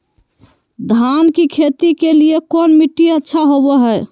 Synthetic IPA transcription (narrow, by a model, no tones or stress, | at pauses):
d̪ʱankikʰet̪ikeliekɔnmiʈːiətːʃʰaɦobɛɦɛ